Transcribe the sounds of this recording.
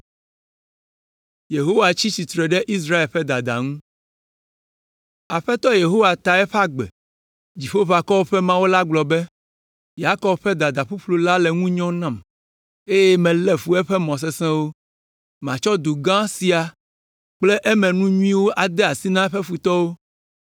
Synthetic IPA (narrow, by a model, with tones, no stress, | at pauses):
je˨ɦo˦wa˨t͡ɕi˦si˨t̪ɾɛ˨ɖɛ˦ʔi˦s̬ɾa˦e˨lɸɛ˦d̪a˨d̪a̰˨ŋũ˦ | a˨ɸɛ˦t̪ɔ˦je˨ɦo˦wa˨t̪a˨ɛ˦ɸa˦ɡ͡bɛ̰˨ | d͡ʑi˨ɸo˦va˨kɔ˦wo˦ɸɛ˦mã˦wo˦la˦ɡ͡blɔ˨bɛ˦ | ja˦kɔ˨bɸɛ˦d̪a˨d̪a˨ɸu˦ɸlo˨la˦lɛ˨ŋũ˦ɲɔ̃˦nã˦˨m | e˦jɛ˦mɛ̃˨lɛ˦ɸu˦ɛ˦ɸɛ˦mɔ̃˨s̬ɛ˦sɛ̃˦wo˦ | mã˨t͡ʃɔ˦d̪o˨ɡã˦si˨a˨ | k͡ple˦ʔɛ˦mɛ̃˨nũ˦ɲũ˦ĩ˦wo˦ʔa˨d̪ɛ˦a˨si˦nã˦ɛ˦ɸɛ˦ɸu˨t̪ɔ˦wo˦